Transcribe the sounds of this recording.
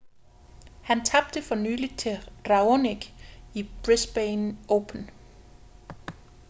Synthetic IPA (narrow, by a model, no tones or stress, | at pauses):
hænt͡sʰɑ̈b̥̚d̥əfɒ̽nyːli̥t͡sʰe̝ʁɑ̈oniɡ̥ib̥ʁesb̥enɔʊpʰən